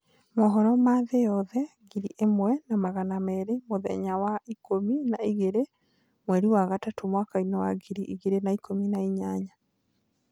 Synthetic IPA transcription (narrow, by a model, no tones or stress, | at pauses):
mɔɦɔɾɔmaðejɔðɛɡiɾiʔemwɛnamaɣanamɛɾemoðɛ̰ɲawaikominaiɣeɾe | mwɛɾiwaɣatatomwakainɛwa̰ɡiɾiʔiɣeɾenaikominaiɲaɲa